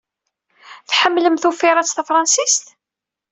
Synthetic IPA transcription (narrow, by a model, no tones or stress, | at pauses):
θħəmːləmθufɪɾˤæt͡sːθəfɾˤɑnsist̪